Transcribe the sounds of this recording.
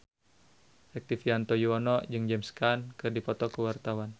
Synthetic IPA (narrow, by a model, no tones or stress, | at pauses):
ʔɛk̚t̪ifiant̪ɔjuɔnɔd͡ʒɨŋd͡ʒɛmskankɨrdipɔt̪ɔkəwart̪awan